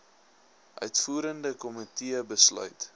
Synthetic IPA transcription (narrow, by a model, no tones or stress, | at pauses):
ʔœɥtfuːɾəndəkɔmitiəbəslœ̰ɥt